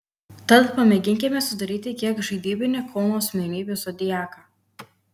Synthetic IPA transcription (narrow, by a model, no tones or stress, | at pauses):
t̪ɐt̪pɐmʲɛɡʲɪŋʲkʲɪmʲɛsʊd̪ɐɾʲiːt̪ʲɪkʲiɛkʒɐɪd̪ʲiːbʲɪnʲekʰɔːnosʲmʲɛnʲiːbʲɪsod̪ʲɪjæːkɐ